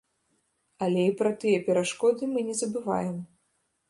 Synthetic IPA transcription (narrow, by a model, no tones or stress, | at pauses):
ɐlʲɛipɾɐt̪ɨjɛpʲɛɾaʂkɔd̪ɨmɨnʲɛzɐbɨva̰jɛm